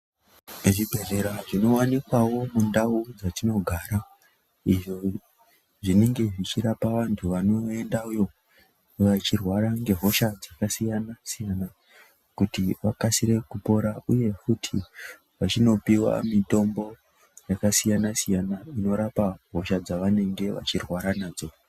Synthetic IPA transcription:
ʐibʱe̞re̞ɾaʐino̞wanikwawo̞mundaud͡zatino̞ɡʱaːɾa | iʐo | ʐine̞ŋɡe̞ʐit͡ʃiɾapaʋantʰuʋano̞e̞ndaujo̞ | ʋat͡ʃirwaɾaŋɡe̞ɦo̞ʃad͡zakasijanasijana | kutiʋakasiɾe̞kupo̞ɾauje̞futʰi | ʋat͡ʃino̞piwa̰mito̞mbo̞ | jakasijanasijanaino̞ɾapaɦo̞ʃad͡zaʋane̞ŋɡe̞ʋa̰t͡ʃirwaɾanaːd͡zo̞

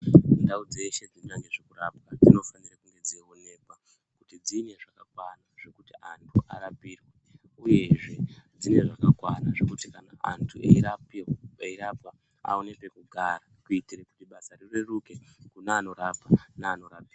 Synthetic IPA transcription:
ndaud͡ze̞ʃe̞d͡zinɲaŋɡe̞ʐekurapwad͡zino̞fanirakuŋɡe̞d͡zeone̞ːkwa | kutid͡zine̞ʐakakwanaʐ̥e̞kutiantʰuʔaɾapirwe | uje̞ʐe̞d͡zine̞ʐakakwanaʐekutikanaa̰ntʰueiɾapeiɾapa | a̰one̞pe̞kuɡʱaɾakuitireku̥tiɓasarirwe̞ruke̞kunaːno̞ɾapanaːno̞ɾapiːwa

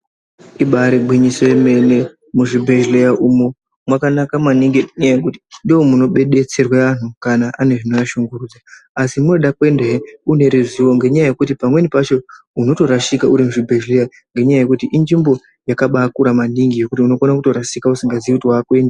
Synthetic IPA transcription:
iɓaɾeɡ͡bʱwiɲiso̞jeme̞ne̞ | muʐibʱe̞ʒlejaʔumu | mwakanakamwaniŋɡɲjekuti̥ndiomuno̞ɓe̞ɗe̞t͡se̞rweʋan̤ukanaʔane̞ʐino̞jaʃuŋɡurud͡zaasimuno̞ɗakwe̞ndeune̞ɾiziwo̞ŋɡe̞ɲajaje̞kutipamwe̞nipat͡ʃo̞ | uno̞to̞ɾaʃikauɾimuʐibʱe̞ʒleja | ŋɡe̞ɲajaje̞kutiʔind͡ʒimbo̞ | jakaɓakuɾamaniŋɡije̞kutiuno̞konakuto̞ɾaʃikausiŋɡaziikutiwaːkuwe̞ːnda

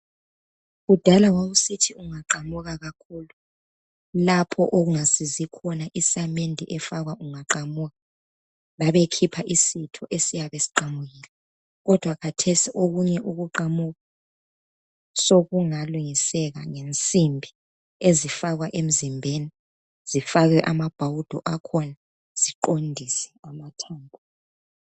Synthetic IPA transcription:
ɣud̥ʱalaɣwaɣusitʰiuŋaǃamuɣaɣakʰuːlu | lapʰɔʔoɣuŋasizikʰɔnaʔisamendʱiʔɛfaɣwaʔuŋaǃamuɣa | βaβekʰipʰaʔisitʰɔʔesijaβesi̥ǃamuɣilɛ | ɣɔd̥ʱwakʰatʰesiʔoɣuɲɛʔuɣuǃamuɣa | soɣuŋaluŋisɛɣa̰ŋent͡sʼimbʱi | ezifaɣwaʔem̩zimbʱeni | z̥ifaɣɛʔamab̥ʱawud̥ʱɔʔakʰɔna | z̥iǃondʱisɛ̥amatʰaːmbʱu

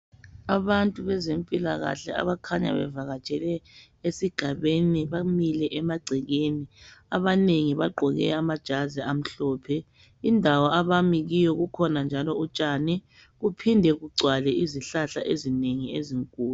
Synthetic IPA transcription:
aβantʼuβɛzempʼila̰ɣa̰ɬɛ̰a̰βakʰaɲa̰βɛ̰vaɣat͡ʃʼɛlɛ | esiɡ̥ʱaβeniβamilɛʔɛmaɡ͡ǀʱiɣeːnia̰βaneŋiβaɡ͡ǃʱɔɣɛ̰amad̥ʒ̥ʱazɛam̩ɬɔːpʰɛ | indʱawaaβamiɣijɔɣukʰɔnand͡ʒʱalɔut͡ʃʼanɛ | ɣupʰindʱɛɣuɡ͡ǀʱwalɛʔiziɬaɬa̰ʔezineŋiḛziŋkʼuːlu

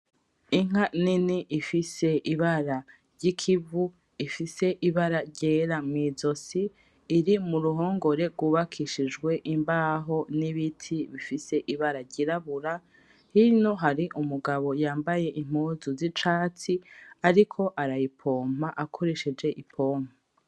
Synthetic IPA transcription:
iŋ̥aniniʔifise̞ʔiβaɾa | ɾɟikʰivu | ifise̞ʔiβaɾaɾɟeːɾamŋiːzo̞siː | ɾimuɾuɦo̞ːŋɡo̞ɾe̞ɾɡwuːβakʰiʃid͡ʒɡwe̞ʔimbaɦo̞niβitʰiβifise̞ʔiβaɾaɾɟiɾaβuɾa | hino̞ɦaɾiʔumuɡaβo̞jaːmbaje̞ʔim̥huːzuzit͡ʃaːt͡siaɾikʰo̞ʔaɾajipʰo̞ːm̥aʔakʰo̞ɾeʃed͡ʒe̞ʔipʰo̞ːm̥a

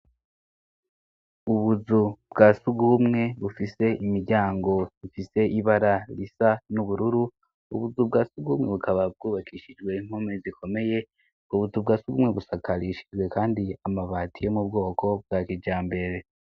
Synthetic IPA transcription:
uβuzubɡaːsuɡumŋe̞βufise̞imiɾɟaːŋɡo̞zifise̞iβaɾaɾisanuβuɾuɾu | ṵβuzubɡaːsuɡumŋe̞βukʰaβab̚ɡuːβakʰiːʃid͡ʒɡwe̞iŋ̥homezikʰo̞me̞je̞ | uβuzub̚ɡaːsuɡumŋe̞βusakaɾiʃi̥d͡ʒwe̞kaːndiamaβaːtʰijo̞mub̚ɡo̞ːko̞b̚ɡaːkid͡ʒaːmbe̞ɾe̞

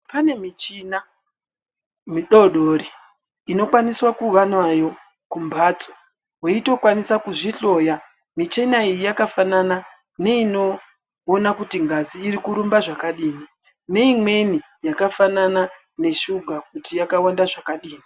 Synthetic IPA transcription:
pane̞mit͡ʃina | miɗoɗoriː | no̞kwaniswakuʋanwajo̞ | kumbaːt͡so | weito̞kwanisakuʐiɬo̞ja | mit͡ʃenaijijakafanana | ne̞ino̞ː | nakutiŋɡaziːɾikuɾumbaʐakaɗiːni | ne̞imwe̞ni | jakafanana | ne̞ʃuɡʱakutijakawandaʐakaɗiːni

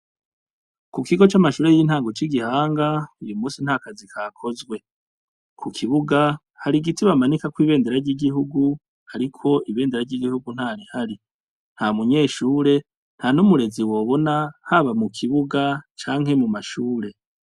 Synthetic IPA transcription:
kukiɡo̞t͡ʃamaʃuːɾejin̥haːŋɡo̞t͡ʃiɡihaːŋɡaijumuːsin̥hakazikʰakʰo̞zɡwe̞ | kʰukʰiβuɡa | haɾiɡitiβamanikakwiːβe̞ːndeɾaɾɟiɡiɦuɡu | haɾikʰo̞ʔiβe̞ːndeɾaɾɟiɡihuɡun̥haːɾihaɾi | n̥hamuɲe̞ːʃuːɾe̞ | n̥hanumuɾe̞ziwo̞ːβo̞nahaβamukʰiβuɡat͡ʃaːŋ̥he̞mumaʃuːɾe

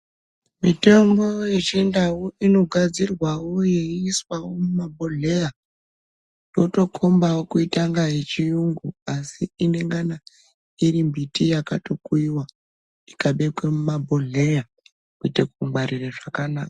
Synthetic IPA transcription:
mite̞mbo̞jet͡ʃendawuʔino̞ɡʱad͡zirwawoje̞iːswawo̞mumabʱo̞ɮe̞ja | jo̞to̞kʰo̞mbawokuitaŋɡaje̞t͡ʃijuŋɡuasiine̞ŋɡana | iɾimbitijakato̞kuiwa | ikaɓe̞kwe̞mumabʱoɮe̞ja | kuitekumɡ͡baɾireʐakanaːkḁ

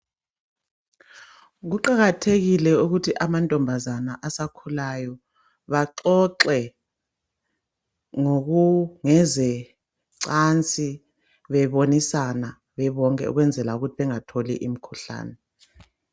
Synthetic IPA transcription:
ɣuǃaɣatʰeɣilɛuɣutʰiʔamantʼɔmbʱazanaʔasakʰulajɔ | βaǃɔǁɛ | ŋoɣuŋɛzɛ | ǀant͡sʼi | βɛβonisana | βɛβɔŋkʼɛ̰ṵɣwɛnd͡zʱɛlauɣutʰiβɛŋatʰolḭʔim̩kʰuɬa̰ːnɛ

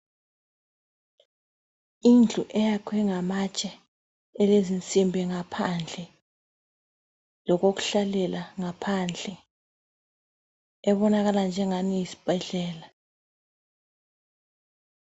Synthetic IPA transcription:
ind͡ɮʱuʔɛjakʰwɛŋamat͡ʃʼɛ | ɛlezint͡sʼimbʱɛŋapʰand͡ɮʱɛ | lɔk̬ok̬u̥ɬalɛlaŋapʰand͡ɮʱɛ | ɛɓɔnaɣaland͡ʒʱɛŋanijisi̥b̥ʱɛɮɛːla

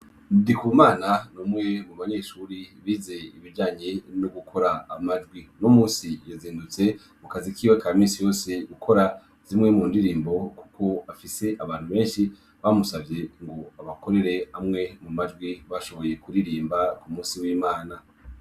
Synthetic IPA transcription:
ndikumaːnanomŋe̞muβaɲe̞ʃuɾiβize̞iβid͡ʒaːɲenoɡukʰo̞ɾaːmaʒɡwinomuːsijaziːndut͡se̞ | mukazikiːwekamiːsijo̞ːse̞ukʰo̞ɾa | z̥imŋe̞muːndiɾiːmbo̞ku̥kʰo̞afise̞ʔaβaːn̥huβe̞ːnʃi | βamusavje̞ŋɡo̞aβako̞ɾe̞ɾe̞amŋe̞mumaʒɡwiβaʃo̞βo̞je̞kuɾiɾiːmbakumuːnsiwiːmaːna

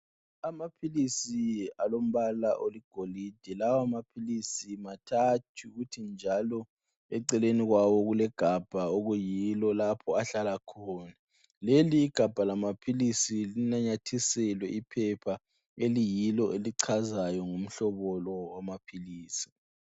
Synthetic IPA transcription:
amapʰilisialom̩βalaʔoliɡ̥ʱolid̥ʱɛlawamapʰilisimatʰatʰiɣutʰind͡ʒʱalɔ | ɛǀɛleniɣwawɔɣulɛɡ̥ʱab̥ʱaoɣujilɔlapʰɔaɬalakʰɔːna | leliːɡ̥ʱab̥ʱalamapʰilisilinaɲatʰisɛlwɛʔipʰɛpʰa | elijilɔʔeliǀʰazajɔŋum̩ɬɔβɔlɔwamapʰiliːsi̥

